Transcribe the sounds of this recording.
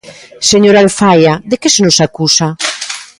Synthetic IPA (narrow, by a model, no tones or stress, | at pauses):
seɲoɾalfajaðekesenosakusa